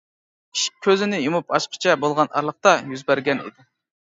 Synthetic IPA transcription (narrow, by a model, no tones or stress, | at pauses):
iʃkʲʰøzɪnɪjumupɑʃqʰə̥t͡ʃʰɛbolˠʁɑnʔɑ̰ɾlˠəχ̚t̪ɑjyzbæɾɡʲɛnḭd̪ɪ